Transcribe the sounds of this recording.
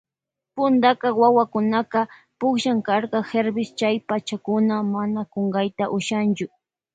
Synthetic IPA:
pʊnd̪akɑwawakʊnakɑ | pʊkʃaŋkaɾkɑxeɾbɪst͡ʃajpat͡ʃakʊnamanakoŋɡajt̪aʔʊʃant͡ʃʊ

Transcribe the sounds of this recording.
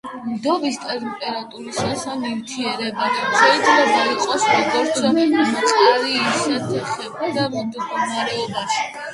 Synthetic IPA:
md̪ɔbist̪ʼɛɾpʼɛɾat̪ʼuɾisasanivt̪ʰiɛɾɛbanuzɛid̪ʰlɛbaiqʼɔsɾɔɡɔɾt̪ʰdɔmɔt̪ʼaɾiːsat̪ʰɛχɛbad̪ad̪mɡɔnaɾɛɔbaʃi̥

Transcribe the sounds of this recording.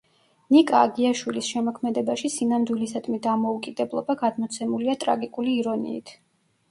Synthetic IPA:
nikʼaːɡiaʃwilisʃɛmɔkʰmɛd̪ɛbaʃisinamd̪wilisad̪mid̪amɔukʼid̪ɛblˠɔ̰baɡad̪mɔt̪sʰɛmuliat̪ʼɾa̰ɡikʼuliːɾɔnḭḭt̪ʰ

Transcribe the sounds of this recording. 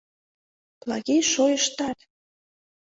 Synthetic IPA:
plˠɑ̰ɣejʃojəʃt̪ɑt̪

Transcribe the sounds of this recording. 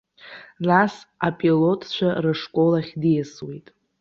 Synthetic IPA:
nasapʼilo̞tʼʰt͡ʃʷʰarɨʂkʷʼo̞laχʲdijaswijtʼ

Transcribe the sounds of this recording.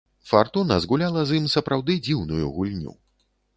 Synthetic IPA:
fart̪unɐ̰zɣulʲalˠɐzimsɐpɾʔawd̪ɨd͡zʲiwnujṵɣulʲnʲṵ

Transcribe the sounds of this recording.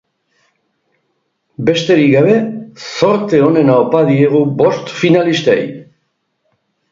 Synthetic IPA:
be̞st̪e̞ɾiɡaβ̞e̞so̞ɾt̪e̞o̞ne̞naopað̞ie̞ɣ̞ubo̞st̪finalist̪aj

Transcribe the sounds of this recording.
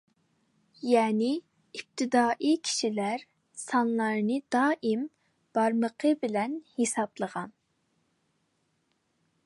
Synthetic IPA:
jɛːnɪː | p̚t̪ʰɪd̪ɑːʔikʲʰi̥ʃilæɾ | sɑnlˠɑɾnɨd̪ɑːʔim | b̥ɑɾməqʰəbɪlɛnhesɑblˠəʁɑn

